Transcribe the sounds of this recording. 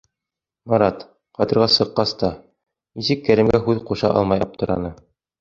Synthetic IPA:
mɑɾɑt̪ | qɑt̪ɤ̆ɾʁɑsɤ̆qːɑst̪ɑ | nisɘkːæɾɘ̆mɡæɦʉðquʃɑ̰ʔɑ̰lˠmɑjɑp̚t̪ɤ̆ɾɑ̰nɤ

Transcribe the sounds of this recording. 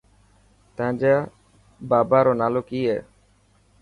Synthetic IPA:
t̪ãːd͡ʒaː | baːbaːɾoːnaːloːkiːɦɛː

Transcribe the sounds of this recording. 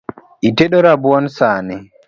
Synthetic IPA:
ʔitɛɗɔɾabuwɔnsaːnɛ

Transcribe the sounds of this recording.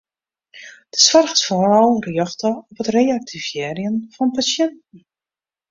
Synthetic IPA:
d̥ə̥sʋarɣəsforɔlˠrjɔχtəɔpɦətrejak̚tʰivjɛːrjənfɔnpasjɛntn̩

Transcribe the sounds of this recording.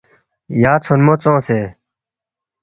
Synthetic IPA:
jaːt͡sʰonmoːt͡sõːseː

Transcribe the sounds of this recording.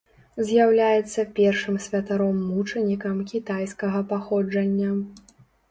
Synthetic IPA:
zʲjawlʲajɛt̪sːɐpʲɛrʂɨmsʲvʲɐt̪aɾɔmːut͡ʂɐnʲikɐmkʲit̪ajskɐɣɐpaxɔd͡ʐɐnʲːɐ

